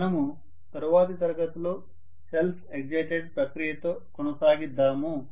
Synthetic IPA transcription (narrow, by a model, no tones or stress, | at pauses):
ɐnɐmu | t̪ɐɾuʋaːt̪it̪ɐɾɐɡɐt̪uloː | selpʰeɡ̚d͡ʒɐjʈeɖ̚pɾɐkɾijɐt̪oːkonɐsaːɡid̪ːaːmu